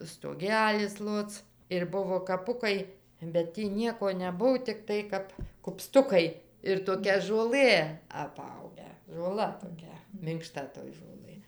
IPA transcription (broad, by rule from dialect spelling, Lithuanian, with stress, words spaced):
stoːˈɡʲæːlʲɪs ˈlˠoːt͡s ɪr ˈbʊʋoː kɐˈpʊkɐɪ bʲɛt ˈtʲiː ˈnʲiɛkoː nʲɛˈbʊw tʲɪkˈtɐɪ kɐp kʊpˈstʊkɐɪ ɪr toːˈkʲɛ ʒuɔˈlˠɘ ɐˈpɐʊɡʲæː ʒoːˈlˠɐ toːˈkʲɛ mʲɪŋkˈʃtɐ toːj ʒoːˈlˠɘ